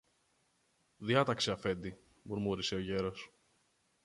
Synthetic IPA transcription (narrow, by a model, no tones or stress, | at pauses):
ðiɐt̪ɐkseɐfe̞nd̪i | muɾmuɾise̞o̞ʝe̞ɾo̞s